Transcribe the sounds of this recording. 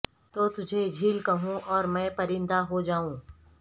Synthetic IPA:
t̪oːt̪ʊd͡ʒʱed͡ʒʱiːlkɐɦũʔɔːɾmɛ̃ːpɐɾɪ̃nd̪aɦod͡ʒaːũː

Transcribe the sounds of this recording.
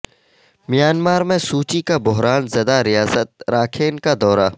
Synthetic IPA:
mijaːnmaːɾmẽsuːt͡ʃikabʊɦɾaːnzɐd̪aɾɪjaːsət̪̚ɾaːkʰeːnkad̪ɔːɾa

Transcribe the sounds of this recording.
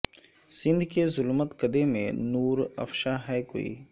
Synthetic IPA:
sɪ̃nd̪ʱkezʊlmət̪kəd̪emḛ̃nuːɾɐ̰fʃaɦɛːko̰ːḭː

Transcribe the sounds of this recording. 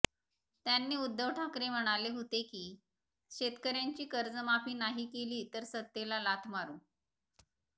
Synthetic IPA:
t̪janːiːud̪ːəʋʈʰakɾem̤əɽ̃aleɦot̪ekiː | ɕet̪kəɾjaɲt͡ɕiːkəɾd͡zəmapiːnaɦiːkeliːt̪əɾsət̪ːelalat̪ʰmaɾũ

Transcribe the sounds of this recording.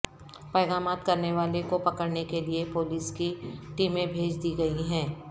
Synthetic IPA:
pɛːɣaːmaːt̪kɐɾneʋaːlekopɐkəɽnekeliepoːliːskiʈiːmẽbʱeːd͡ʒd̪iːɡɐiɦɛ̃ː

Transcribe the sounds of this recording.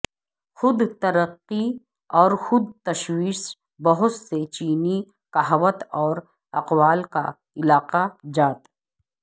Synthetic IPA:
xʊd̪t̪ɐɾəqːi | ɔːɾxʊd̪̚t̪ɐʃwiːʃ | bɐɦʊt̪set͡ʃiːni | kɐɦwət̪ɔːɾ | ɐqwaːlka̰ | ɪlaːqad͡ʒaːt̪

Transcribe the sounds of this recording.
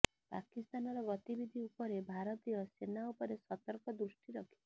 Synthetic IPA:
pa̰kist̪anɔɾɔɡɔt̪ibid̪ʱiupɔɾebʱaɾɔt̪ijɔsenaupɔɾesɔt̪ɔɾkɔd̪ɾusʈiɾɔkʰi

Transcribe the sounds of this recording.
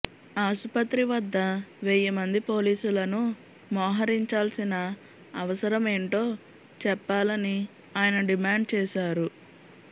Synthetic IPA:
aːʃpɐt̪ɾiʋɐd̪ːɐʋeːjɐmɐnd̪ipo̞ːliːsulɐnu | mɔːɦɐɾiɲt͡ʃaːlsinɐ | ɐʋɐsɐɾɐme̞ːɳʈo̞ː | t͡ʃɛpːaːlɐni | aːjɐnɐɖimaːɳɖt͡ʃɛːʃaːɾu

